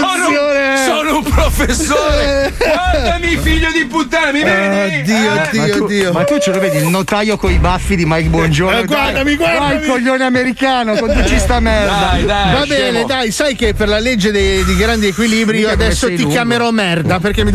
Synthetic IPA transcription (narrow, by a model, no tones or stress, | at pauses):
oɾessoːnoumpɾofesːoːɾɡwad̪amifiʎːod̪iput̪ːamid̪iːod̪iːod̪ːiːomat̪ut͡ʃeloveːd̪ilnot̪ajokoibafːid̪imajkbwɔnd͡ʒoɾɡward̪amiɡwawajkoʎːoːneameɾikaːnokont̪ut͡ʃist̪amɛrd̪aavabɛːned̪ajsajkeperlaled͡ʒːed̪ejd̪ejɡɾand̪iekwiliːbɾiiːoad̪ɛsːoikjameɾɔmɛrd̪aperk̟emi